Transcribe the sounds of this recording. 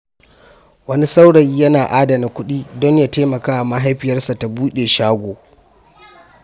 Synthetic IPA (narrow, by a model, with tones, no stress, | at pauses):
wɐ˦ni˦sa˦wɽɐ˨jjɐ˦naː˨ʔaː˦da˨na˨kʷʊ˦ɗiː˦dɔ˦ɲjaː˦teː˦mɐ˨kaː˦a˨ma˦ɦa˦jɸɪ˨jɐ˦rsa˨ta˨buː˦ɗeː˨ʃaː˦ɡʷoː˨